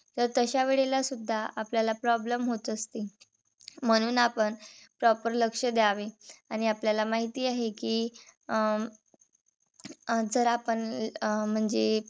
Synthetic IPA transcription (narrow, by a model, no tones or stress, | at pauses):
t̪əɾt̪əɕaʋeɭelasud̪ʱːaʔapljalapɾɔbləmɦot̪əst̪i | m̤əɽ̃uːnapəɳpɾɔpəɾləkʂəd̪jaʋeaɽ̃iapljalamaɦit̪iːaɦekiː | d͡zəɾapəɳm̤əɳd͡ze